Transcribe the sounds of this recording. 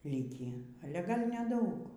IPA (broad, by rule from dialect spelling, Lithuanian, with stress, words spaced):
ˈlʲiːkʲiː ˈɑːlʲɛ ˈɡɐlʲ nʲɛˈdɐʊk